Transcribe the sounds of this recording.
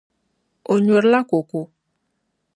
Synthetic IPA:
o˨ɲo˨ɾla˦ko˨ko˨

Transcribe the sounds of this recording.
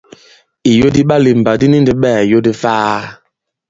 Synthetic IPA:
i˨jo˦di˦ɓa˦li˨m̩˨ba˨di˦ni˦n˨di˨ɓɛː˦˨jo˦di˦vaː˦

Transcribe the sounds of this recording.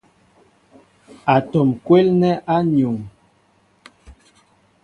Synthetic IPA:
a˨tɔ˨mkwe˦lnɛ˦ʔa˦ɲo˨ŋ

